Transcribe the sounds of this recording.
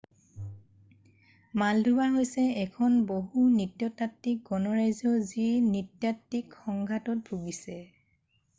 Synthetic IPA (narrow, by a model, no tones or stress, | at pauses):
maldʱubaɦojsɛɛkʰɔnboɦunitjɔtatːik̚ɡɔnɔɹajzɔzinitjatːikxɔŋɡʱatɔt̚bʱuɡisɛ